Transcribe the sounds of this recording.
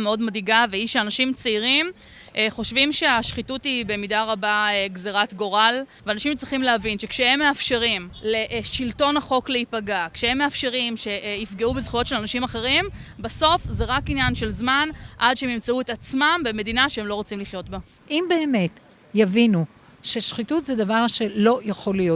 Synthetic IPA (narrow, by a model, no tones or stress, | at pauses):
meo̞dmadiɡaveiʃeanaʃimt͡seiʁim | ʔχo̞ʃvimʃe̞aʃχitutibe̞midaʁabaeɡzeʁatɡo̞ʁalveanaʃimt͡sʁiχimleavinʃe̞kʃehemːe̞afʃe̞ʁimleʔʃilto̞naχo̞kleipaɡakʃehemːeafʃe̞ʁimʃe̞ʔifɡeubezχujo̞tʃe̞lanaʃimaχe̞ʁimbaso̞fze̞ʁakinjanʃe̞lzmanʔadʃehemimt͡sauetat͡smambeme̞dinaʃeemlo̞ʁo̞t͡simliχjo̞tba | ʔimbeːme̞t | javinu | ʃeʃχitutzed̪avaʁʃe̞lo̞jaχo̞lijo